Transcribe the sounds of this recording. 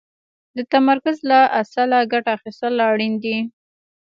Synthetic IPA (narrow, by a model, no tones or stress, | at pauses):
d̪ət̪amaɾkʊzlaʔasalaɡaʈaːxist̪əlaɽind̪i